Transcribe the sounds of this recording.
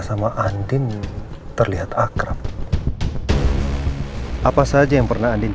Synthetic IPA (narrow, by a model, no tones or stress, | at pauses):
samaʔandɪn | t̪ərliɦat̪akɾap̚ | ʔapasad͡ʒajaŋpərnahandɪn